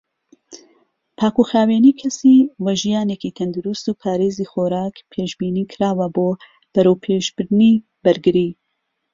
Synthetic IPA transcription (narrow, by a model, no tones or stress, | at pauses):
pʰaːkuxaːweːniːkʰɐsiːwɐʒijaːneːkiːt̪ʰɐnd̪uɾust̪uːpʰaːɾeːziːxoːɾaːkpʰeːʃbiːniːkʰɨɾaːwɐboː | b̥ɐɾowpʰeːʃbɨɾniː | bɐɾɡɨɾiː